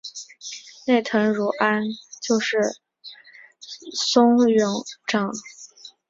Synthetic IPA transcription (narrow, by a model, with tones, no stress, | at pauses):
ne˥˩ɪt̪ʰɤ˧˥ŋɻu˧˥ʔa˥nt͡ɕjo˥˧ʊʂɻ̩˥˩ | sʊ˥ŋɥʊ˧˥ŋʈ͡ʂɤ˨˩˦ŋ